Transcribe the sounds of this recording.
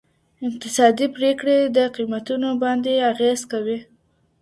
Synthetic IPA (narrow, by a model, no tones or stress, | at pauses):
ɪq̚t̪ɪsɑd̪ipɾekɽed̪əqimat̪unobɑnd̪eaɣezkawi